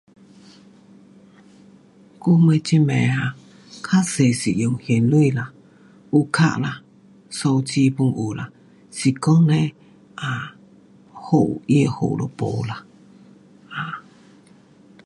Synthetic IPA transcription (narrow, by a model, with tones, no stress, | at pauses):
ku˦mə˧t͡ʃi˦mɛ̃˨ha˧˨ | kʰa˦se˨si˨ʔjo˨ŋhje˨nlu˦i˧la˨ | u˧kʰa̰˦˧ʔla˧ | so˧wt͡ʃi˧˦pu˧ŋʔu˨la˨ | si˧ko˦ŋnẽ˦ | a˧˨ | ho˦˨ʔi˦e˧ho̰˨ʔlo̰˧po̰˨la˨ | a˨